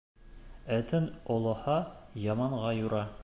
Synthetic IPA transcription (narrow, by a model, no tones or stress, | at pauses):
æt̪ɘnŏlˠɤ̆hɑjɑmɑɴʁɑjuɾɑ